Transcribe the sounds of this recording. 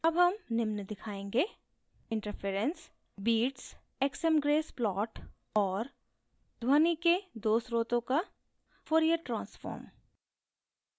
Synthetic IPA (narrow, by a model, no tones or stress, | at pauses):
ɐbɦɐmnɪmnd̪ɪkʰaːẽːŋɡe | ɪ̃ɳʈəɾfʰeːɾə̃ns | biːʈs | eksɛmɡɾeːsplɔːʈ | ɔːɾ | d̪ʱwaːniked̪oːsɾoːt̪õka | foːɾijəɾʈɾãːnsfɔ̰ːɾm